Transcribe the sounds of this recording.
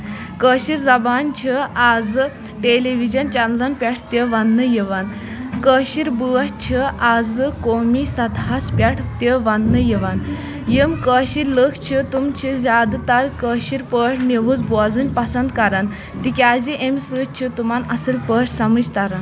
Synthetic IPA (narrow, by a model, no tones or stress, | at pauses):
kəːɕiɾd͡zɐbant͡ɕʰiad͡zɨ | ʈeliʋid͡ʑɐnt͡ɕanlanpʲaʈʰt̪ʲəʋanːəjiʋan | kəːɕiɾbut͡ɕʰiad͡zɨkomisɐd̪ʱaspʲaʈʰt̪əʋanːəjiʋan | jimkəɕiɾləkʰt͡ɕʰit̪umt͡ɕʰizʲad̪t̪aɾkəːɕiɾpəʈʰneʋut͡sboad͡zunʲpɐsənd̪kaɾan | t̪ikʲad͡ziʔemsɨt͡ɕʰit̪umanɐsəlpəʈʰsɐməd͡ʑt̪aɾan